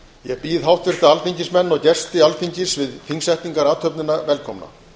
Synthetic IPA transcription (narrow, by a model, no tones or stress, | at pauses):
jɛɣpiðɦawht̪vɪr̥t̪aalfiɲcɪsmɛnːɔɣcɛst̪ɪalfiɲcɪsvɪðθiŋsɛht̪niŋkaɾaːt̪ʰhœpnɪnavɛlkʰɔmna̰